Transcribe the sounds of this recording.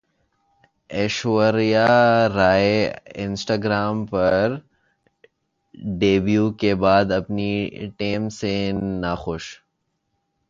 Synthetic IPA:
eːʃwəɾijaɾaːeɪnsʈaːɡɾaːmpɐɾ | ɖeːbjuːkebaːd̪ɐpniʈeːmsenaxʊʃ

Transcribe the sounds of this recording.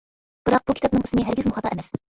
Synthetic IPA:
b̥ɨɾɑq̚b̥ukʲʰi̥t̪ɑp̚nɨŋysnɨɦæɾɡʲɪzmʊχɑt̪ʰɑʔɛmɛs

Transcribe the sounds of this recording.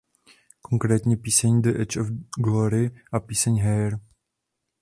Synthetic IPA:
koŋkɾɛːt̪ɲɛpiːsɛɲdəʔɛt͡ʃofɡloɾɪʔapiːsɛɲɦɛɾ

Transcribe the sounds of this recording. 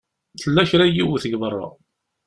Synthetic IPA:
θəlːæçɾæjiwθəɡðərˤːɑ̰

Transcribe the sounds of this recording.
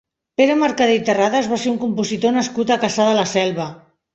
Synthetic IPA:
peɾəmaɾkaðet̪əraðəzβaseuŋkumpuzit̪onəskut̪akasaðəlasɛlˠβə

